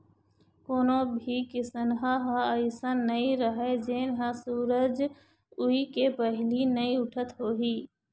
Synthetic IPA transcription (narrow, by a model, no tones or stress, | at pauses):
koːnobʱikɪsənɦãɦaəɪsənːəĩɾəɦed͡ʒeːnɦãsuːɾəd͡ʒ | ʊikepəɦlinəĩʊʈʰət̪ɦoːɦiː